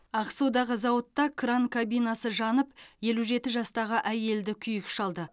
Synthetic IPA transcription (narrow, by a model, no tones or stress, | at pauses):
ɑqsuwd̪ɑʁəzɑwət̪ːɑkʰraŋkʰabijnɑsəʒɑnəpje̞luʒe̞t̪ɪʒɑst̪ɑʁəʔæje̞ld̪ɪkʲʰʏjɪkʃɑlˠd̪ə